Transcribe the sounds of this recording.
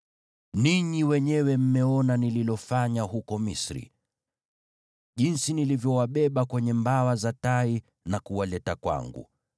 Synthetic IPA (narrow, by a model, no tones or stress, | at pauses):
niɲiwɛɲɛwɛm̩mɛɔnanililɔfaɲaɦukɔmisɾḭ | ʄinsinilivjɔwaɓɛɓakwɛɲɛmbawazatai | nakuwalɛtakwa̰ŋɡṵ